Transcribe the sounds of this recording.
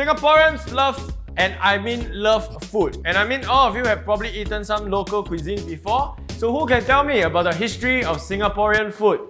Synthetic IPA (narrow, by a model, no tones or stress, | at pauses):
sĩŋəpɔɹiə̃nsləv | ɛ̃najmĩnləf | futɛ̃najmĩnɔlɔfjuhɛvpɹɔbəbliitə̃nsãmlokəlkwizĩnbifɔ | sohukɛ̃ntɛlmiəbaʊt̚dəɦistɹiɔfsĩŋəpɔɹiə̃nfut̚